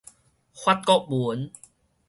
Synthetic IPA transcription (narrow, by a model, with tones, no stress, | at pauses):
xwa˦˩t̪̚kɔ˦˥ʔ̚bu˨˦n